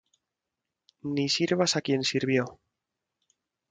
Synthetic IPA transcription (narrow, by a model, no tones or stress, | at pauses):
nisiɾβasakje̞nsiɾβjo